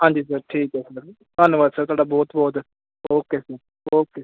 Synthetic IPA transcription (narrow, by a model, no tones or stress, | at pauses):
ɦãːɲd͡ʒiːs̬əɾʈʰiːkɛsəɾ | k̪ənʋaːsəɾt̪oaːɖaːbɔːt̪bɔːt̪ | oːkeːsəɾ | oːkeːs